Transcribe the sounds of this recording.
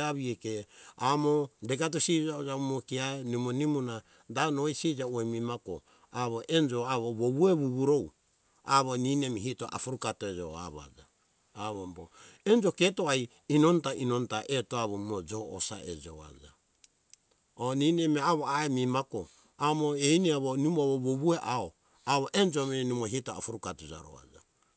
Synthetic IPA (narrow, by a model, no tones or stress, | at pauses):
aβiekeamodeɡat̬usid͡ʒaod͡ʒaumokiaenimonimuna | danoisid͡ʒauemimako̰ | aβoʔend͡ʒoaβoβoβueβuβuɾow | aβoninemiɦito̰ʔa̰fuɾukatoed͡ʒo̰a̰βa̰d͡ʒa̰ː | βomboend͡ʒoketoaj | inontaʔinontaʔetoaβomod͡ʒoːsa̰ʔḛd͡ʒoa̰d͡ʒa̰ | oninemiaβoaemimako | amoejniaβonumaβoβoβueʔao | aβoʔend͡ʒominumoɦitoafuɾukatud͡ʒa̰ɾo̰a̰d͡ʒa̰